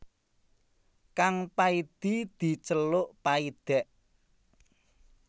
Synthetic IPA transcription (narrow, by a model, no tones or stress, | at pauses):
kaŋpaid̪̥id̪̥i̤t͡ʃəlʊʔpaid̪̥ɛʔ